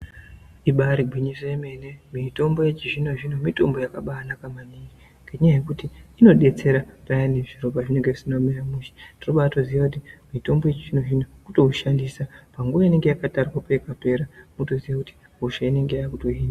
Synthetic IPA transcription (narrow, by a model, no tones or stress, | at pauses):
iɓaɾiɡʱwiɲiseme̞ne̞mito̞mbo̞je̞t͡ʃiʐino̞ʐinomito̞mbo̞jakaɓaːnakamaniŋɡi | ŋɡeɲajekutiino̞ɗe̞t͡se̞ɾapajane̞ʐiro̞paʐine̞ŋɡeʐisinomeramuʃe̥tinoɓatoziʋakut̬imito̞mbo̞jet͡ʃiʐinoʐinokuto̞uʃandisapaŋɡuʋaine̞ŋɡe̞jakatarwapekape̞ɾamutoziʋakuti̥ | ɦuʃaine̞ŋɡejaakutoɦiːnda